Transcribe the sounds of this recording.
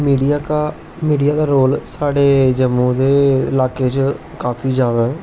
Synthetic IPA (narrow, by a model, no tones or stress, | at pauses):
miːɖijaːka | miːɖijaːd̪aːɾoːlsaːɽeːd͡ʒəmːũːd̪eːɪlaːkeːt͡ʃ | kaːpʰiːzjaːd̪aːɦɛː